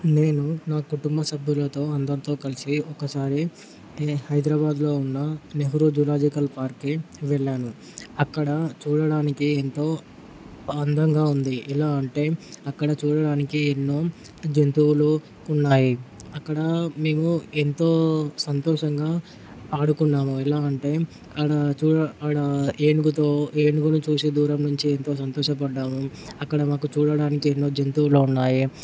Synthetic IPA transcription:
ne̞ːnunaːkuʈumbɐsɐbʱjulɐt̪o̞ːɐnd̪ɐnt̪o̞ːkɐlisiɔkːɐsaːɾi | hɐjd̪ɾɐbaːd̪lo̞ːunːɐneɦuɾud͡ʒulaːd͡ʒikɐlpaːɾkːiʋɛɭːaːnu | ɐkːɐɽɐt͡ʃuːɽɐɽaːnikient̪o̞ː | ɐnd̪ʱɐŋɡaːund̪iʔɛlaːɐɳʈe̞ːɐkːɐɽɐt͡ʃuːɽɐɽaːnikienːo̞ː | d͡ʒent̪uulu | unːaːjiɐkːɐɽɐme̞ːmuent̪o̞ːsɐnt̪ɔːʂɐŋɡaː | aːɽukunːaːmuilaːɐɳʈe̞ː | ɐɽɐt͡ʃuːɐɐɽɐeːniɡut̪oːeːnuɡunut͡ʃuːsed̪uːɾɐmnuɲt͡ʃient̪o̞ːs̬ɐnt̪ɔːʃɐpɐɖːaːmuɐkːɐɽɐmaːkut͡ʃuːɽɐɽaːnikienːo̞ːd͡ʒent̪uwuloːunːaːji

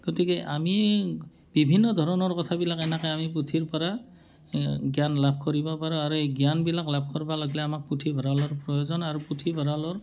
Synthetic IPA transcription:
ɡ̥otikɛʔami | b̥ibʱinːɔd̪ʱɔɹɔnɔɹkɔtʰabilakɛnakaamiputʰiɹpɔɹa | ɡjanlab̚ʱkɔɹibɔpaɹuaɹueɡjanbilaklab̚ʱkɔɹbalɔɡlɛamak̚putʰibʱɔɹalɔɹpɹɔjozɔnaɹuputʰibʱɔɹalɔɹ

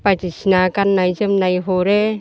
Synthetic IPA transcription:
patisinakanːajzəmnajɦoɾe

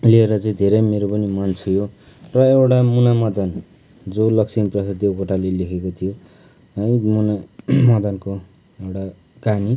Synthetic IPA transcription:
lieɾʌt͡sʌĩd̪ʱeɾʌjmeɾopʌnimant͡sʰujo | rʌewʈamunamʌd̪ʌn | d͡zolʌksʰinprʌsad̪joɡoʈalelekʰekot̪ʰijo | ʌjmunamʌd̪ʌnko | ewʈa | kani

